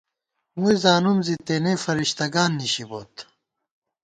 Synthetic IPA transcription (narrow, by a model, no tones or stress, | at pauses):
mujzaːnumzit̪eːnefɐɾiɕt̪ɐɡaːnːiɕiboːt̪